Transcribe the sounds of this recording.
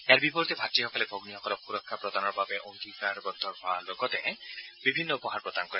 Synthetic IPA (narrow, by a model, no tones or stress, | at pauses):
ejaɾbipɔɾt̪ebʱaʈiɦɔkɔlebʱoɡniɔkɔɾɔpuɾɔkʰːapɾɔd̪anɔɾbabeʔɔŋd̪ikaɾbɔd̪ʱːɔɦɔalokɔt̪ebibʱinːɔupɔɦaɾpɾɔd̪ankɔɾ